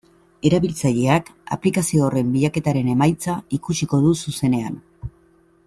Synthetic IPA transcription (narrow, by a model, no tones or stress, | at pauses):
e̞ɾaβilt͡saʎe̞aka̰plikasio̞ːre̞mbiʎake̞t̪aɾe̞ne̞majt͡saikusiko̞ðususe̞ne̞a̰n